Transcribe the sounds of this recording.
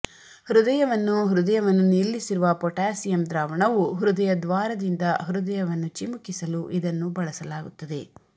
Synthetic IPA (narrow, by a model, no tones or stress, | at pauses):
hɾud̪ɐjɐʋɐnːuɦɾud̪ɐjɐʋɐnːunːilːisiɾuʋɐpɔʈaːsijɐmd̪ɾaːʋɐɳɐʋuɦɾud̪ɐjɐd̪ʋaːɾɐd̪ind̪ɐɦɾud̪ɐjɐʋɐnːut͡ʃimukisɐluʔid̪ɐnːubɐɭɐsɐlaːɡut̪ːɐd̪e̞